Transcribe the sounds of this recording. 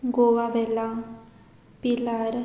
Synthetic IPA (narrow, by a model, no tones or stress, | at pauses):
ɡoʋaʋela | pilaɾ